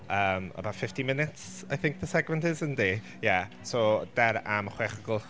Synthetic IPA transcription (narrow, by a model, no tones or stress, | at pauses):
əːmə̰bafɪftimɪnɪts | ajθɪ̃ŋk̚ðəsɛɡmɛ̃ntɪzəndi | ja | sod̥ɛɾamχweːχəɡʊlˠ